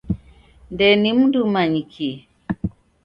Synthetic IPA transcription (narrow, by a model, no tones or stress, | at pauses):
ndɛnim̩ndumaɲikʰi